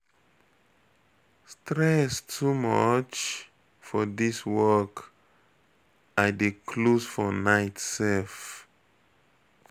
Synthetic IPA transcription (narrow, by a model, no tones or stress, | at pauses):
stɹɛstʰumɔt͡ʃ | fɔdiswɔk | aɪdekʰlosfɔnaɪtsɛlf